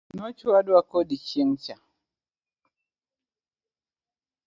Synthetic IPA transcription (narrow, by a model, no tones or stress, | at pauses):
nɔt͡ʃuwaduakodit͡ʃiŋt͡ʃa